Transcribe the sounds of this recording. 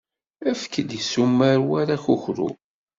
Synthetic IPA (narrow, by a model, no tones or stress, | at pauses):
æfkəd̪jəsumːaɾwaɾaçuçɾṵ